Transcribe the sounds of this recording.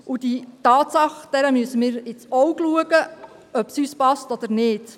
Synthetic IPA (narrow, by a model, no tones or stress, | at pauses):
ʔud̥̪itɑːt̪sɑχd̥̪ɛɾəmyəsəmɪːɾɪt͡sɔwɡluəɡə | œpsyːspɑstɔd̪̥əɾnɪːd̥